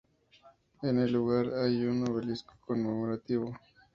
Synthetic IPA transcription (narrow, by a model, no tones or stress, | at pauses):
eneluɣaɾajunoβelisko̥konmemoɾat̪iβo